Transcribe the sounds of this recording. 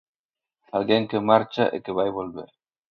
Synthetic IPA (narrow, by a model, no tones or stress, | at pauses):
alɣeŋkemaɾt͡ʃa̰ʔḛkeβajβolβḛɾ